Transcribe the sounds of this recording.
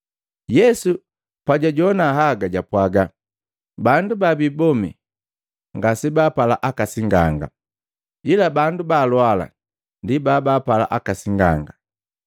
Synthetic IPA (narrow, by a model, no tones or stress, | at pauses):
jɛsu | paɟaɟɔnaɦaɡaɟapwaɡa | bandubabibɔmḭ | ŋɡasibaːpalaʔakasiŋɡaŋɡa̰ | ilabandubaːlwala̰ | ndibaːbaːpala̰ʔakasiŋɡaŋɡa